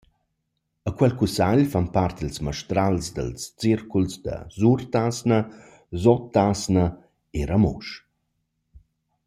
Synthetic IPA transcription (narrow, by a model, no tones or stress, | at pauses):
əkwɛlkusaʎfanpart̪ilsməʃt̪ɾalzd̪ə̰lst͡sirkulsd̪ə̰zurt̪asnə | zɔt̪ːasnə | eɾamṵʃ